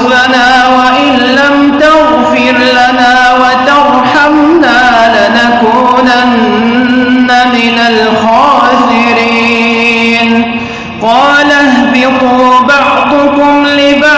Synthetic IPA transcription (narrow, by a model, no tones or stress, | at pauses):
banaː | waʔɪnlamt̪aɣ | fɪɾlanaː | wat̪ɑɾ | ħam | naː | lanakuː | nanː | amɪnalxɑːsɪɾiː | n | qɑːlahbɪquːbɑʕd̪ˤʊkʊmlɪba